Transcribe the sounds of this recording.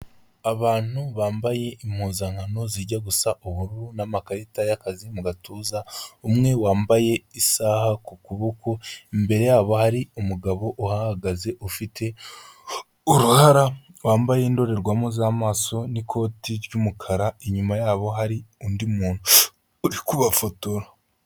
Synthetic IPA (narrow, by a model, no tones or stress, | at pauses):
aβaːn̥huβaːmbaje̞imhuːzaŋ̥hano̞ziːɾɟaɡusaʔuβuɾuɾunamakaɾetajakazimuɡatuːzaumŋe̞waːmbaje̞isaːhakukuβokoimbe̞ɾe̞jaːβo̞haɾiumuɡaβo̞ʔuhahaɡaze̞ʔufitʰe̞ | uɾuhaɾawaːmbaje̞ndo̞ɾe̞ɾɡwamozaːmaːso̞nikʰo̞ːtiɾɟumukʰaɾaeɲumajaːβo̞ɦaɾiundimuːn̥uː | ɾikuβafotoɾa